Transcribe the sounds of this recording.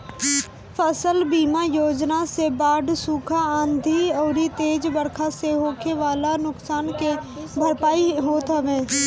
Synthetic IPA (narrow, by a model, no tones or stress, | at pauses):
fʰəsəlbiːmajoːd͡ʒnasebaːɖsuːkʰaãːnd̪ʱiɔːɾit̪eːd͡ʒbəɽkʰaseɦoːkʰeʋaːlanʊksaːnke | bʱəɾpaːiɦoːt̪ɦəʋẽː